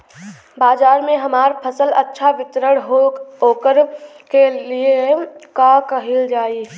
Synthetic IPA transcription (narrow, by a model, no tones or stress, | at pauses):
baːd͡ʒaːɾmẽɦɐmaːɾpʰəsələtːʃʰaʋɪt̪ɾəɽɦoɦoːkəɾ | keliekakəɦild͡ʒaːi